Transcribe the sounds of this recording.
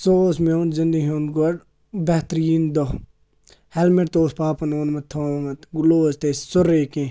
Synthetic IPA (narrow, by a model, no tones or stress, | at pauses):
sosmend͡ʒɐnd̪iɦonɡɐɾ | bɐht̪ɾind̪o | hɛlmeɾt̪oːspaːpɐnoːnmɐt̪ʰoːmɐt̪ɡuloːst̪essʊɾeːkẽ